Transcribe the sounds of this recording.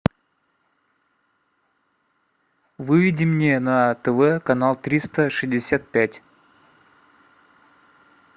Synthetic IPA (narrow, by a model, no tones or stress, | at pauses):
vɨvʲɪdʲɪmnʲenət̪ɛvɛkɐnalˠt̪ɾʲist̪əʂɨzʲdʲɪsʲat̪̚pʲætʲ